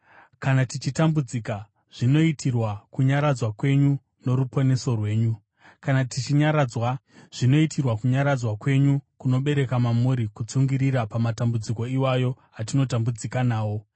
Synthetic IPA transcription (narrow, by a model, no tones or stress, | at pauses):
kanatit͡ʃitambud͡zika | ʐ̥ino̞itʰirwakuɲaɾad͡zwakwe̞ɲu | no̞ɾupo̞ne̞so̞rwe̞ːɲu | kanatit͡ʃiɲaɾad͡zwa | ʐ̥ino̞itʰirwakuɲaɾad͡zwakwe̞ɲukuno̞ɓe̞ɾe̞kamamuɾikut͡suŋɡiɾiɾapamatambud͡ziko̞iwajo̞ | atino̞tambud͡zikanaːwo̞